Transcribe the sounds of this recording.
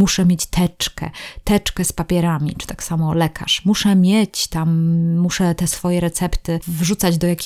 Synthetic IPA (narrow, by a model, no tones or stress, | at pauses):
uʂɛmʲjet͡ɕt̪ʰɛt͡ʂkɛ̰t̪ɛt͡ʂkɛspapʲjɛɾamʲḭt͡ʂɨ̥t̪aksamɔlɛkʰa̰ʂmuʂɛmʲjet͡ɕt̪amːuʂɛt̪ɛsfɔjɛɾɛt̪sɛpt̪ɘvʐut̪sad͡ʑd̪ɔjakʲi